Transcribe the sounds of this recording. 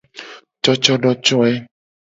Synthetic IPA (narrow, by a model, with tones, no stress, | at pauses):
t͡ʃɔ˦t͡ʃɔ˦ɖɔ˦t͡ʃɔ˦ɛ˦